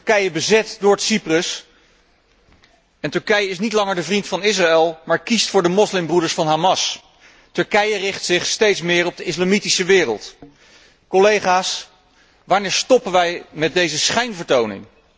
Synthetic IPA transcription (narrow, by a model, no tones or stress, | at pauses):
təɹkɛjəbəzɛtdʊːɹtsiprəs | ɛntɵɹkɛjəɪsnitlɑŋəɹdəvrintfɑnɪs̬raɛlˠmaːɹkistfʊːɹdəmɔslɪmbrudəɹsfɑnɦaːmɑs | tɵɹkɛjərɪχtsɪχstejtsmɪːɹɔb̚dəɪslamitisəʋɪːrə̰lˠt | kolejχaːs | ʋaːɹnɪːɹstɔpənʋɛjmɛt̚dejzəsχɛjnvəɹtownɪ̰ŋ